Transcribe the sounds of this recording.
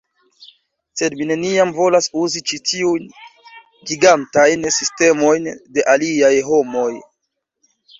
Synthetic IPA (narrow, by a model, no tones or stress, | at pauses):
se̞dmine̞niamvo̞lasuzit͡ʃitʰiujn | ɡiɡantajnsiste̞mo̞jnde̞ʔaliajɦo̞mo̞j